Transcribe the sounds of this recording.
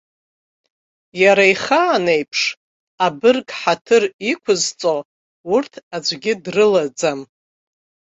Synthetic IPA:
jaɾaiχaːnejpʰʂ | abɨrkʼħatʰɨrikʷʰʊzt͡sʼo̞ | urtʰad͡ʒʷɡʲɪdrɨlad͡zam

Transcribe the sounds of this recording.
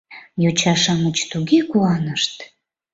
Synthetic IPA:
jot͡ɕɑʃɑmət͡ɕt̪uɡekuɑnəʃt̪

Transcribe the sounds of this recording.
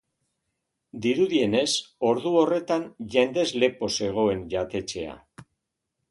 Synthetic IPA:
d̪iɾuðie̞ne̞so̞ɾðuo̞re̞t̪anʝe̞nd̪e̞zle̞po̞se̞ɣ̞o̞e̞nʝat̪e̞t͡ʃe̞a̰

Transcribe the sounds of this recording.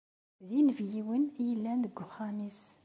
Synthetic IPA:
ðinvjiwənjəlːænðəɡːʊχæmis

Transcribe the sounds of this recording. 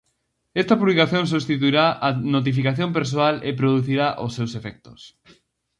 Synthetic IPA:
ɛst̪ɐpuβlikaθjõŋs̬ust̪it̪̬uiɾaʔanot̪̬ifikaθjomp̬eɾs̬oalepɾoðuθiɾaʔosːewsefɛk̚t̪o̥s

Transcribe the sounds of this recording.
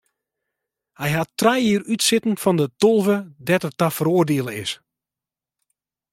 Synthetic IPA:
hɛjɦatːrɛjiːrytsɪtn̩fɔndətolˠvədɛtətafəɾoərdeəlˠəɪs

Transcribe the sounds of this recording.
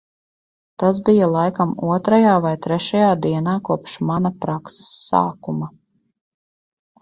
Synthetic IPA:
t̪as̬bijalˠajkamuɔt̪ɾajaːvajt̪ɾɛʃajaːd̪iɛnaːkuɔpʃmanapɾakse̥sːa̰ːkuma

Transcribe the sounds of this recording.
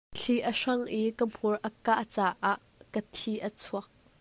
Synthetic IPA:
t͡ɬʰiʔəʂɐŋʔikəm̥urʔɐkaʔt͡saːʔaʔ | kət̪ʰiʔət͡sʰuɐk̚

